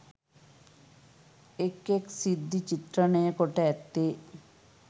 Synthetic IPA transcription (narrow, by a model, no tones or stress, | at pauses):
ekeksid̪ʱːit͡ʃit̪ɾənejəkoʈeɛt̪ːe